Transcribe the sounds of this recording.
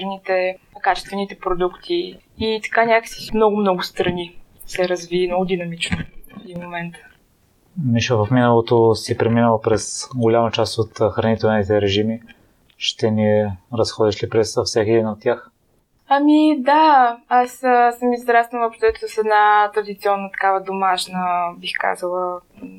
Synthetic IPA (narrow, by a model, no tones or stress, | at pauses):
nit̪ɛkat͡ʃɛ̥st̪vɛnit̪ɛpɾod̪ukt̪ʰiː | t̪ɐ̥kanʲakə̥si̥mnɔɡʊmnɔɡʊst̪ɾɐni | sɛɾɐzviːmnɔɡʊd̪inɐmit͡ʃnod̪imomɛnt̪ə̥ | miʃovɐfminəlˠot̪osipɾɛminəlˠəpɾɛsɡolʲamɐt͡ʃast̪ot̪xɾɐnit̪ɛlnit̪ɛɾɛʒimi | ʃt̪ɛniɛɾɐsxɔd̪iʃlipɾɛsfsakɛd̪inot̪̚ːʲjax | ɐmid̪aasəsəmizd̪ɾast̪nvəpɾt̪ɛt̪səsɛd̪nat̪ɾɐd̪it̪siɔnːət̪ɐ̥kavəd̪omaʃnəbixka̰zəlˠə